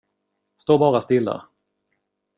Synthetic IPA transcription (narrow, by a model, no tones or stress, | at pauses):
st̪oːbɑːɾast̪ɪlːa̰